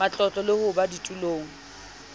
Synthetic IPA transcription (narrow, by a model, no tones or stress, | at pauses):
at͡ɬʼɔt͡ɬʼɔlɪhʊbaditʼuloːŋ̩